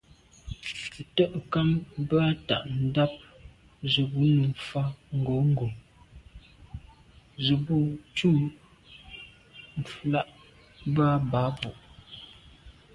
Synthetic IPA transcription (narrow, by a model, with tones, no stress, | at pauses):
tə˦ʔŋ˨ka˦mba˦ta̰˨ʔn̩˦da˦p̚ | zə˨bu˦nə˨fa˦ŋ̩˨ɡo˨˦ŋ̩˦ɡo˨ | zə˨bu˦t͡ʃu˦˨ | m̩˨fla˦ʔ | ba˦ba˨˦bu˨ʔ